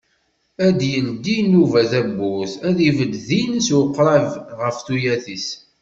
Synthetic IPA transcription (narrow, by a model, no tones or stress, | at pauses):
æd̪jənd̪inuvæθæbːʊθæðivəd̪ðinswəqːɾˤævʁəfθujæθis